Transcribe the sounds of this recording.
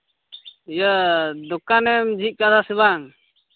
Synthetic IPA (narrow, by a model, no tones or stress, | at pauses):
jəd̪ɔkanɛmd͡ʒit̪̚kad̪asiβaŋ